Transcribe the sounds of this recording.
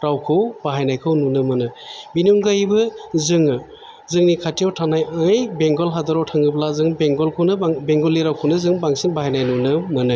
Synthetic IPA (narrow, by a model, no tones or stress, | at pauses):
ɾawkʰɯwb̥aɦajnajkʰɯwnunɯmɯnɯbinuŋɡajbɯzɯŋɯ | zɯŋnikʰatʰijawtʰanajɯjbeŋɡɔlɦadaɾawtʰaŋɡɯblazɯŋbeŋɡɔlkʰɯwnɯbeŋɡɔliɾawkʰɯwnɯzɯŋbaŋsɯŋbaɦajnajnunɯmɯnɯ